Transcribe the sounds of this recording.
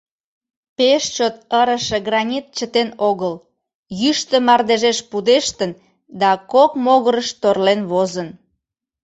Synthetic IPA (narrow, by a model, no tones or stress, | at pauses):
peʃt͡ɕot̪̚əɾəʃĕɣrɑnʲit̪̚t͡ɕət̪enoɣəl | jyʃt̪ə̆mɑrd̪eʒeʃpud̪eʃt̪ən | d̪ɑkokmoɣəɾəʃt̪orlenβozən